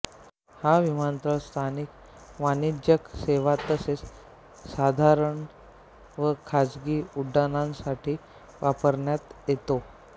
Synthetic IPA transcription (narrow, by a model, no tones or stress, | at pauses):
haʋimant̪ɾəɭst̪ʰanik | ʋanid͡ʑjəkseʋat̪əses | sad̪ʱaɾəɳ | ʋəkʰad͡zɡiːuɖːanãnsaʈʰiː | ʋapəɾɳjat̪jet̪o